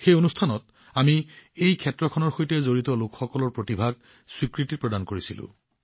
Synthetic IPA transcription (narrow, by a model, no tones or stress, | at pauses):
xejonustʰanɔt | amiejkʰɛtɹɔkʰɔnɔɹxojtɛzoɹitɔlʊkxɔkɔlɔɹpɹotibʱaɡ̚ | swikɹitiɹpɹɔdankoɹisilʊ̰̃